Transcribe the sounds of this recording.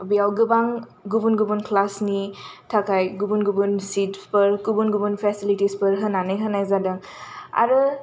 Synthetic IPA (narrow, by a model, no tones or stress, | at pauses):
bijawɡɯbaŋɡubunɡubunkʰlasnitʰakʰajɡubunɡubunsitpəɾkubunɡubunpʰesilitispɐɾɦənanɯjɦənajzadaŋa̰ɾɯ